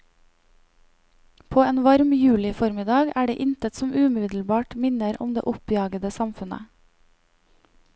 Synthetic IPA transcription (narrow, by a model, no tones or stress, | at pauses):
pʰoːeːnʋɑɾmjʉːlɪfɔɾmɪd̪ɑːɡæːɖḛːʔɪnt̪ʰət̪sɔmʔʉːmɪʋɪd̪l̩bɑːʈmɪnəɾʔʊ̰md̪ḛːʔʊpjɑːɡəd̪əsɑmfʉnə̰